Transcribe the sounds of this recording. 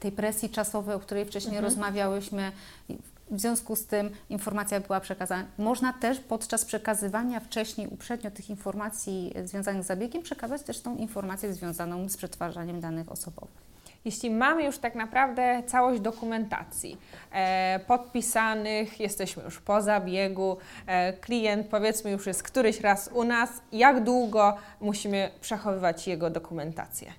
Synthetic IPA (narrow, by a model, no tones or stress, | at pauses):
t̪ɛjpɾɛsʲjit͡ʂasɔvɛjɔkt̪uɾɛjft͡ʂɛɕɲejɾɔzmavʲjawɘɕmɘ̰ | vzʲjɔ̃w̃skust̪ɘminfɔɾmat̪sʲjabɘwapʂɛkazanamɔʐnat̪ɛʂpɔt̪t͡ʂaspʂɛkazɘvaɲaft͡ʂɛɕɲejṵpʂɛd̪ɲɔt̪ɘxinfɔɾmat̪sʲjizvʲjɔ̃zanɘɣzːabʲjeɡʲɛmpʂɛkazat͡ɕt̪ɛʂt̪ɔ̃w̃ʔinfɔɾmat̪sʲjɛzvʲjɔ̃w̃zanɔ̃w̃spʂɛt̪faʐaɲɛmd̪anɘxɔ̰sɔbɔ̰vɘ̰x | jeɕlʲimamɘjuʂt̪aknapɾavd̪ɛt̪sawɔʑd͡ʑd̪ɔkumɛnt̪a̰t̪sʲjḭ | pɔt̪̚pʲisanɘxjɛst̪ɛɕmɘ̰jṵʂpɔzabʲjɛɡuklʲijɛnt̪̚pɔvʲjɛt̪smɘjuʂjɛst̪̚kt̪uɾɘɕɾasunasjaɡd̪wuɡɔ | muɕimɘpʂɛxɔvɘvat͡ɕjɛɡɔd̪ɔkumɛnt̪a̰t̪sʲjɛ̰